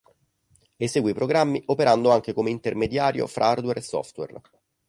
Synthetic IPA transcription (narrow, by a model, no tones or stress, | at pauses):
eseːɡwepɾoɡɾamːiʔopeɾand̪oaŋk̟ekomeint̪ermed̪jaːɾjo̰fɾʔa̰ard̪weɾʔesːɔ̰ft̪wḛr